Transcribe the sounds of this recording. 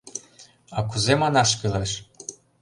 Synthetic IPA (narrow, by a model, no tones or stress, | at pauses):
ɑkuzemɑnɑʃkɯleʃ